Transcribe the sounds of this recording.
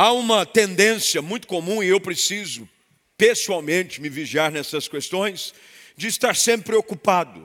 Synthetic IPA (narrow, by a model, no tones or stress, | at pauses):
aũmɐt̪ẽnd̪ẽsjɐmũj̃t̪ʊ̥komũɪewpɾesizʊ | pesuawmẽnt͡ʃɪmɪviʒiaɾnɛsɐskest̪õj̃s | d͡ʒɪːst̪aɾsẽpɾɪpɾeokupad̪ʊ̰